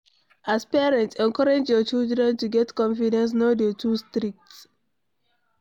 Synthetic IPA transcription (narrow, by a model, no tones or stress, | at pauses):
aspɛɹɛ̃ntɛ̃ŋkɔɹad͡ʒjɔt͡ʃildɹɛ̃ntuɡɛtkɔ̃nfidɛ̃ns̬nodətʰustɾik̚ts